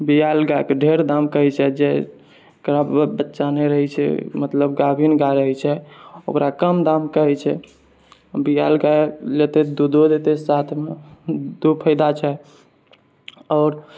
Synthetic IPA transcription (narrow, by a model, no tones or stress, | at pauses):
bijalɡajkeɖʱeɾd̪amkəɦɛt͡ʃʰɛd͡ʒe | kɾabbətːʃaneɾəɦɛt͡ʃʰɛ̰mət̪ləbɡabʱinɡaɾəɦɛt͡ʃʰɛo̰kɾakəmd̪amkəɦɛt͡ʃʰɛ | bijalɡajlet̪ed̪ud̪od̪et̪esat̪ʰmed̪upʰəɪd̪at͡ʃʰɛ | ɔːɾ